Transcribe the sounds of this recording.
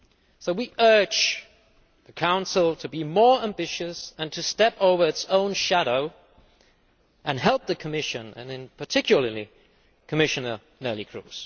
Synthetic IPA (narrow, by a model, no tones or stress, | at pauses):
soʊwiʔɜ̥˞d͡ʒ | ðɨkʰãʊ̃nsl̩ˠtʰɨbimɔɹæ̃mbɪʃɨsɨ̃ntʰɨstɛpoʊvə˞ɨtsõʊ̃nʃæɾoʊ | ʔɨ̃nɦɛlˠp̚ðɨkʰəmɪʃɨ̃nɨ̰̃nɨ̃npʰə˞tʰɪkjl̩ˠəli | kʰəmɪʃɨnə˞ | nɜ˞lˠikʰɹ̥ṵz̥